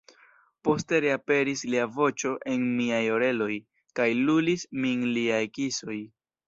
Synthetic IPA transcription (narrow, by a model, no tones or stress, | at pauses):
po̞ste̞ɾeape̞ɾisliavo̞t͡ʃo̞ʔe̞nmiajo̞ɾe̞lo̞j | kajlulisminliajkiso̞j